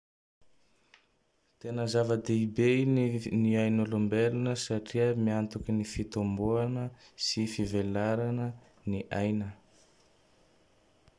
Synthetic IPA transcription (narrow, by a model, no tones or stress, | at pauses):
t̪enəzavəd̪eibeniajnolumbelunəsaʈ͡ʂiəmiant̪ukʲinifit̪omboanəsifivelaɾanə | niʔa̰jnə